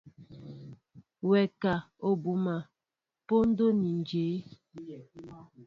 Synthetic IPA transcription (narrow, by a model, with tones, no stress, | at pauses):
wɛ˨ka˨ | o˨bu˨ma˨ | po˦n̩˦do˦ni˨n˨d͡ʒeː˨˦